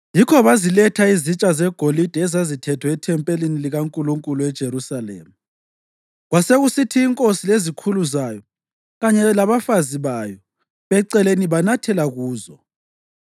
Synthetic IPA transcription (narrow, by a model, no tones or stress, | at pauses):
jikʰɔβazilɛtʰaizit͡ʃʼazɛɡ̥ʱolid̥ʱɛɛzazitʰɛtʰwɛɛtʰɛmpʼeliniliɣaŋkʼuluŋkʼuluɛd̥ʒ̥ʱeɾusalḛːmu | ɣwaseɣusitʰiːŋkʼosilezikʰuluzajɔ | ɣaɲɛlaβafaziβajɔ | βɛǀɛleniβanatʰɛlaɣuːzɔ